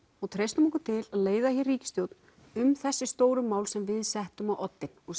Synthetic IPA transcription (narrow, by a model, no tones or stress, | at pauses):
hut̪ʰɾejst̪ʏmɔkʏt̪ʰɪlaðleːjðahiriːcɪst̪jowt̪n | ʏmθɛsːɪst̪oːwɾʏmːaːwlsɛmvɪðsɛht̪ʏmawʔɔt̪ːɪnɔɣ